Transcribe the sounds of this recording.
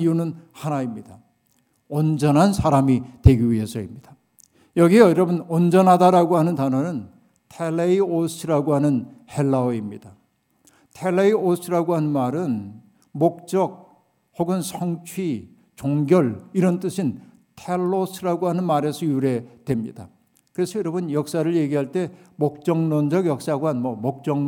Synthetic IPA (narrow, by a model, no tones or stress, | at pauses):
ijunɯnhanaimɲida | ʌnd͡ʑʌnɦansʰaɾamite̞ɡiɥiɦe̞sʰʌimɲid̥a | jʌɡiʌjʌɾʌbɯnʌnd͡ʑʌnɦadaɾaɡoɦanɯntanɦʌnɯn | tʰelːeios͈ʰɯɾaɡoɦanɯnhe̞ɭːaoimɲid̥a | tʰeleios͈ʰɯɾaɡoɦanɯnmaɾɯn | mok̚t͡ɕ͈ʌɡ̚ | hoɡɯnsʰʌŋt͡ɕʰwi | t͡ɕoŋɡjʌɭiɾʌnt͈ɯɕʰin | tʰeɭːos͈ʰɯɾaɡoɦanɯnmaɾe̞sʰʌjuɾe̞dwe̞mɲḭda | kɯɾe̞sʰʌjʌɾʌbɯnjʌk̚s͈aɾɯɭje̞ɡiɦaɭt͈e̞mok̚t͡ɕ͈ʌŋnʌnd͡ʑʌɡjʌk̚s͈aɡwanmʌmok̚t͡ɕ͈ʌŋ